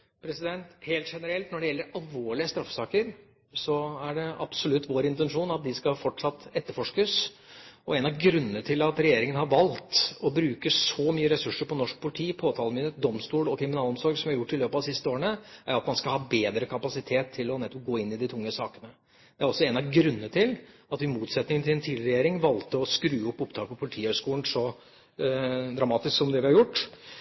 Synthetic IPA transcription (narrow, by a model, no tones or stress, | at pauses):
pʰɾɛsɪd̪ɛnt̪heːlt̪ʂɛnəɾɛlt̪nɔɖɛjɛlːəɾɑlʋoːɭɪəst̪ɾɑfːsɑːkəɾ | sɔæɖɛɑb̥sɔlʉt̪ːʋoːɾɪnt̪ɛnʂuːnɑt̪̚d̪ɪskɑfɔʈʂɑt̪ːɛt̪ːəɾfɔʂkəs | ɔɛnɑɡɾʉnːənət̪ʰɪlɑt̪ɾɛjeːɾɪŋənəhɑɾʋɑlt̪ɔbɾʉːkəsɔmyːəɾɛsʉʂːəɾpʰɔnɔʂk̚pʰʊlɪʈʰiːpʰoːt̪ʰɑːlmɪnəd̪ɔmst̪uːlɔkʰɾɪmɪnɑːlɔmsɔɾɡsɔmæɾjʊʈːɪløːpəɑsɪst̪əoːɾəɳəæɾɑt̪mɑnskɑlhɑːbeːd̪ɾəkʰɑpɑsɪt̪ʰeːt̪ʰːɪlɔnɛt̪ːɔp̚ɡoːɪnːɪd̪ɪt̪ʰʊŋːəsɑːkənə | d̪ɛæɾɔsːɔɛnɑɡɾʉnːənət̪ʰɪlɑt̪ɪmuːt̪sɛt̪nɪŋənt̪ʰɪlɛnt̪ʰiːd̪ɪɾɛjeːɾɪŋʋɑlt̪əɔskɾʉːɔpːʊpt̪ʰɑːlpʰɔpʰʊlɪt̪ʰiːøːʂkuːlən̩sɔ | d̪ɾɑmɑːt̪ɪsksɔmd̪ɛʋɪhɑɾjʊʈː